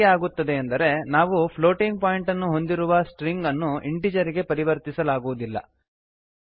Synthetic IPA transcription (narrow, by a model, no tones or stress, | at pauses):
aːɡut̪ːɐd̪e̞ːnd̪ɐɾe̞naːʋupʰlo̞ːʈiŋɡ̚paːjiɳʈɐnːuɦo̞nd̪iɾuʋɐsʈɾiŋɡɐnːuʔiɳʈiːd͡ʒɐɾiɡe̞pɐɾiʋɐɾt̪isɐlaːɡuʋud̪ilːɐ̰